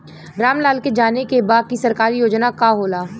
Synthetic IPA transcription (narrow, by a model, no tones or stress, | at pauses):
ɾaːmlaːlked͡ʒaːnekebaːd̪̚kisɐɾkaːɾijoːd͡ʒnakaɦoːlaː